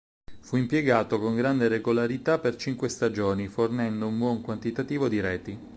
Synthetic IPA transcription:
fuimpjeɡaːt̪okoŋɡɾand̪eɾeɡolaɾit̪apert͡ʃiŋkwest̪ad͡ʒoːnifornɛnd̪oumbwɔŋkwant̪it̪at̪iːvod̪iɾɛːt̪i

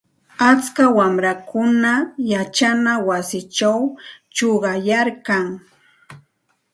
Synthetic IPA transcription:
at͡skawamɾakʊnajat͡ʃanawasɪt͡ʃawt͡ʃoɢɑjaɾkaŋ

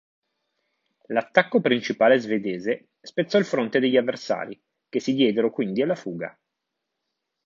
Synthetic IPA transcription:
lat̪ːakːopɾint͡ʃipaːlezved̪eːze | spet̪sːɔilfɾont̪ed̪eʎːavːersa̰ːɾḭ | k̟esːid̪jɛːd̪eɾokwind̪ialːafuːɡa̰

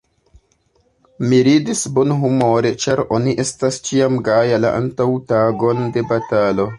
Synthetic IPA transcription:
miɾidisbonɦumo̞ɾe̞t͡ʃaɾo̞niʔe̞stast͡ʃiamɡajala̰ʔa̰ntawtaɡo̞nde̞batalo̞

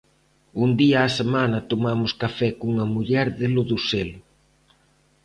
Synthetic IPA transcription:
und̪iɐːsemanɐt̪omamʊskafɛkuŋɐmuʎɛɾðɪlʊðuselʊ

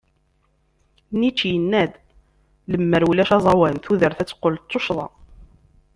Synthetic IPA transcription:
nit͡ʃːjənːæd̪ | ləmːəɾwlæʃɑzˤɑwænθuðəɾθæt͡sːqːolt̪ˤːoʃðˤɑ̰

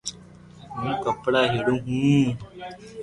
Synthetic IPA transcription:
mũːkəpɽaːɦeːɽũːɦũː

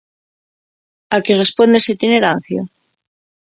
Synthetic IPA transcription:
akerespond̪esit̪ine̞ɾan̟θjo̰

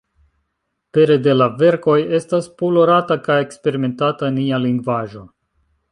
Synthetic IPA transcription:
pe̞ɾe̞de̞lave̞ɾko̞je̞staspulo̞ɾatakajekspe̞ɾime̞ntatanialiŋɡvaʒo̞

